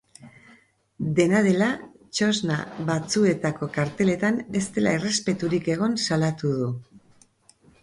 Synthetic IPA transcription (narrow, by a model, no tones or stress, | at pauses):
d̪e̞nað̞e̞la | t͡ʃo̞znaβat͡sue̞t̪ako̞kaɾt̪e̞le̞t̪ane̞st̪e̞la̰ere̞spe̞t̪uɾike̞ɣ̞o̞nsalat̪uð̞u